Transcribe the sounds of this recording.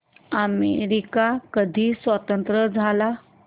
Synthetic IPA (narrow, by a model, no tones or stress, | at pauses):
əmḛɾikakəd̪ʱiːsʋət̪ənt̪ɾəd͡zʱala